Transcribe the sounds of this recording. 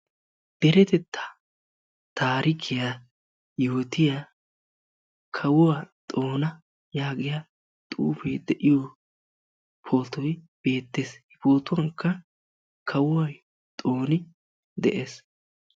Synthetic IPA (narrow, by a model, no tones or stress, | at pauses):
d̪̥ɛɾɛt̪ɛt̪ʰːɐ̥ | t̪ʰaːɾɪkʰːɪja | jʊhʊt̪ɪja | kʰɐwʊwat̪ʼo̞ːnɐ | jaːɡɪja | t̪ʼuːfejd̪ɛʔɪjo | pʰo̞ːt̪ɔj | b̥e̞ːt̪ːeːshɪpoːt̪ʊwɐŋkːɐ | kʰɐwʊwaj | t̪ʼoːnɪ | d̪ɛ̰ʔeːs